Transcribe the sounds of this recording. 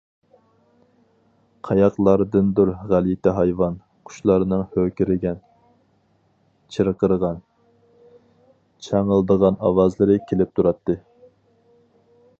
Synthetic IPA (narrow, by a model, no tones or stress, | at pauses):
qʰɑjɑqlˠɑɾd̪ɨnd̪uɾʁælit̪ɪɦɑjvɑn | qʰʊ̥ʃlˠɑɾɨnɨŋhøkʲɪɾɪɡʲɛn | t͡ʃʰiɾəqəɾʁɑn | t͡ʃʰɑŋəlˠd̪əʁɑnɑwɑzlˠɨɾɨkʲʰelɪp̚t̪ʰuɾɑt̪ːɨ